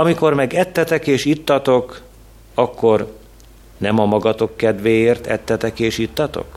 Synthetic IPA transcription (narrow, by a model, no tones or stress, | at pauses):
ɒmiko̞rmɛɡɛt̪ːɛt̪ɛkeːʃit̪ːɒt̪o̞k | ɒkːo̞r | nɛmɒmɒɡɒt̪o̞kːɛd̪ʋeːjeːrt̪ɛ̰t̪ːɛt̪ɛkeːʃit̪ːɒt̪o̰k